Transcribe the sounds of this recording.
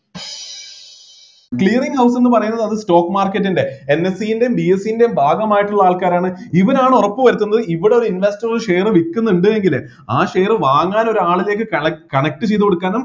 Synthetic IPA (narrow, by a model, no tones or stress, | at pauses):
kɭiːɐriŋɡhɐws̬e̞nːɨpɐrɐjunːɐðɐðɨsto̞ːkːɨmaːrkːɐtːinde̞enːesijinde̞jumbiesijinde̞jumbʱaːɡɐmaːjiʈːuɭːɐaːɭkaːɾaːɳɨiʋɐnaːɳɨurɐpːɨʋɐɾut̪ːunːɐðɨiʋiɽe̞o̞ɾuinʋe̞stɐrulʂe̞jrɨʋikːunːuɳɖɨe̞ŋɡil | aːʂe̞ːrɨʋaːŋːaːno̞ɾuaːɭile̞ːkːɨɐkɐɳɐk̚ʈːɨt͡ɕe̞jðukoɽukːaːnum